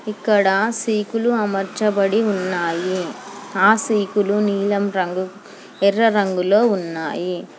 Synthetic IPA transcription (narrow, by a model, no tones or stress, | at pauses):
ɪkːɐɽaːsiːkuluɐmɐɾt͡ʃːɐbɐɽiʊnːaːjiaːsiːkɯluniːlɐmɾɐŋɡɯ | ɛrːɐɾɐŋɡɯloːʊnːa̰ːji